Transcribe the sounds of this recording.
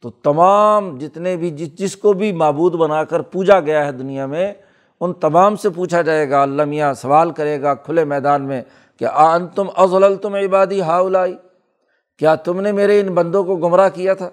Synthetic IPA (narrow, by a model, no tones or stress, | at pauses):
t̪oːt̪ɐmaːmd͡ʒɪt̪nebʱid͡ʒɪd͡ʒɪskobʱimaːbuːd̪bɐnaːkəɾpuːd͡ʒaɡɐjaɦɛd̪ʊnijamẽ | ʊnt̪ɐmaːmsepuːt͡ʃʰad͡ʒaːeːɡaɐlːamijãsɐʋaːlkɐɾeːɡakʰʊlemɛːd̪aːnmẽ | kḛʔaənt̪ʊmʔɐzləlt̪ʊmɪbaːd̪iɦaːʊlaːiː | kjaːt̪ʊmnemeːɾeɪnbɐ̃nd̪õkoɡʊmɾakijat̪ʰaː